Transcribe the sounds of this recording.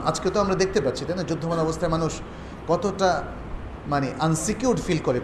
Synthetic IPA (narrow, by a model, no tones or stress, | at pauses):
a̰d͡ʑket̪oamɾad̪ek̚ʰt̪epatːɕʰit̪ajnad͡ʑud̪ʱːomanɔbost̪ʰaemanuʃ | kɔt̪oʈa | maneʔansikjuɾʈfilkoɾe